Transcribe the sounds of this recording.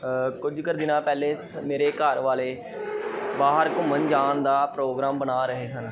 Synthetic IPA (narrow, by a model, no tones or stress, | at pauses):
kʊd͡ʒkəɾd̪ɪnãːpɛːlẽːst̪ʰmeːɾeːkəɾʋaːleː | baːɦəɾkʊmənd͡ʒaːɳd̪aːpɾoːɡɾaːmbənaːɾəɦeːsən